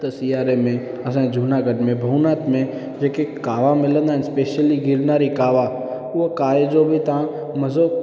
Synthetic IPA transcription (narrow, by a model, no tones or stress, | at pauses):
t̪əsiaːɾemẽ | ɐs̬ãːd͡ʒʱuːnaːɡəɖmẽbʱɐʊnaːt̪mẽ | d͡ʒeːkekaːʋamɪlə̃nd̪aɦnspeːʃəliɡɪɾnaːɾikaːʋa | ukaːed͡ʒoːbʱit̪ã | mɐzo